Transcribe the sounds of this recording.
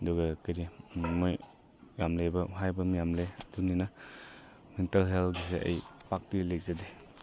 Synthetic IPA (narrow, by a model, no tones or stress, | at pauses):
ɐduɡɐkaɾimoj | jamlebɐuɦajbɐmijamleɐdunina | mentelɦelɡis̬eʔɐ̰jpak̚tilek̚zadi